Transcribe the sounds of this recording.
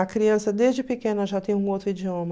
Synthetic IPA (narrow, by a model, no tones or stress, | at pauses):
ɐkɾiɐ̃sɐd̪ezd͡ʒɪpɪkẽnɐʒat̪ẽj̃ũowt̪ɾʊid͡ʒiõmɐ